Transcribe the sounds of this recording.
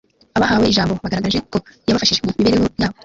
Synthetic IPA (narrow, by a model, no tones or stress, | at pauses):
aβahaweiʒaːmbo̞βaɡaɾaɡaʒeko̞jaβafaʃiʒɡwemiβeɾejojaːβo